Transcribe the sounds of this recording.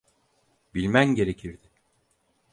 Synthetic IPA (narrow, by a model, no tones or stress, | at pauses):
bilʲmænɟe̞ɾe̞cʰiɾd̪ɪ